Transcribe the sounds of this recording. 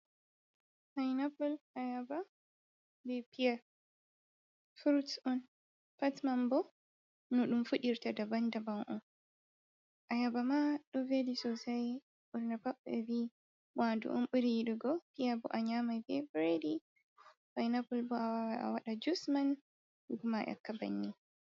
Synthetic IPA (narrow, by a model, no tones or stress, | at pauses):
fajnapɔlʔajaba | bɛpia | fuɾutsɔn | patmambɔ | nuɗumfuɗiɾtadabandabaŋʔɔ̰n | ʔajabamaɗɔvedisɔsaj | bɔɾnapapːɛbi | wadṵʔṵmɓuɾiiɗuɡɔpiabɔ̰ʔaɲamajfebɾeɾi | bajnabɔlbɔawawa̰waɗad͡ʒusman | uɡumaʔɛ̰kːaba̰nːi